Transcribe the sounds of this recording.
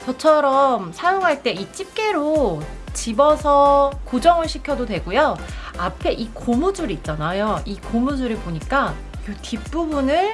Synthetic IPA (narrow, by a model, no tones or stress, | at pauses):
t͡ɕʌt͡ɕʰʌɾʌmsʰajoŋɦaɭt͈e̞it͡ɕ͈ip̚k͈e̞ɾot͡ɕibʌsʰʌkod͡ʑʌŋɯɭɕʰikʰjʌdodwe̞ɡojoapʰe̞ʔikomud͡ʑuɾit̚t͡ɕ͈anajoikomud͡ʑuɾɯpoɲik͈a | otip̚p͈ubunɯɭ